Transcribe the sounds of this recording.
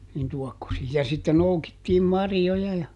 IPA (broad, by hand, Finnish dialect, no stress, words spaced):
nin tuɔkːosiː jɑ sitːe noukitːiːm mɑrjːojɑ jɑ